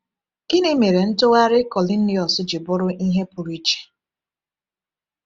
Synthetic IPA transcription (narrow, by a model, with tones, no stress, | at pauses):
kɪ˦nɪ˦me˨ɾe˨n̩˦tʊ˦ɣa˦ɾɪ˦kɔ˨li˦n̩˦nɪ˦ɔ˨sʊ˦d͡ʒɪ˨bʊ˦ɾʊ˦ʔi˦ɦe˦pʊ˨ɾi˦t͡ʃi̥˨